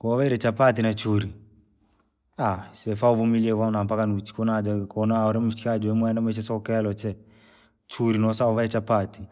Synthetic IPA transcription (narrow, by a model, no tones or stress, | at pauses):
kɔβaiɾɛt͡ʃapatinat͡ʃuɾi | asɛfaɔβumiliɛwanampakanut͡ʃi̥konad͡ʒɔkɔnaɔɾɛm̩t͡ʃikad͡ʒɔɛmwɛndamɛt͡ʃ̬ɛsɔkɛlɔt͡ʃɛ | t͡ʃuɾinɔsaɔβaɛt͡ʃapati